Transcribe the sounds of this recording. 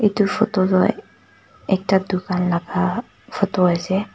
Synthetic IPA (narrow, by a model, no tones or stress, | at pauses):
etufɔtɔlɔ | ɛk̚tadukanlaɡa | fʰɔtɔajsɛ